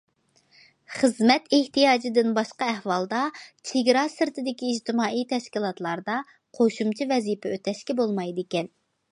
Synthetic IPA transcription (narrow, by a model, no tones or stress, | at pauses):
χəzmɛt̪eht̪ijɑːd͡ʒɪd̪ɪnbɑʃqɑɛhwɑlˠd̪ɑt͡ʃʰeɡʲɾɑsɪɾt̪ɪd̪ɪkʲiːd͡ʒt̪ɪmɑːijt̪ʰɛʃkʲilˠɑt̪lˠɑɾd̪ɑ | qʰoʃumt͡ʃʰivɛzipʰɛøt̪ʰɛʃkʲɛbolˠmɑjd̪ɪkʲɛn